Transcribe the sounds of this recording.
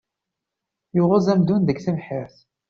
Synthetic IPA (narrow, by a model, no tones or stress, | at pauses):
jʊʁæzæmd̪unðəɡθəvħəɾθ